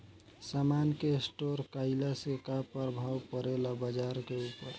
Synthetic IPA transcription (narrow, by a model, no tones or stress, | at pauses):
samankesʈoɾkaɪlasekapəɾbʱawpəɾelabəd͡ʒaɾkeupəɾ